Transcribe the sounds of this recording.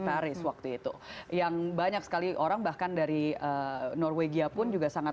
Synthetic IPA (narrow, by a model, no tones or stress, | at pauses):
t̪aɾɪswak̚t̪uit̪ujaŋbaɲak̚sə̥kaliʔoɾaŋbahkandaɾiənɔrweɡiapʊnd͡ʒuɡasaŋa